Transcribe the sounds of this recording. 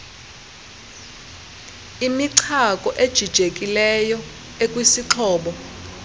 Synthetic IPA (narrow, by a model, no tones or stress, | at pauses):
imiǀʰakʼɔʔed̥ʒ̥ʱid̥ʒ̥ʱekʼilɛjɔ | ekʼwisiǁʰɔːɓɔ